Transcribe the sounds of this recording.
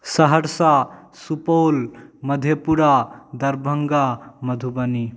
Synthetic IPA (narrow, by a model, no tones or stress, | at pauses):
səɦəɾsasupoːlməd̪ʱjepuɾad̪ɐɾbʱəŋɡamɐd̪ʱubəni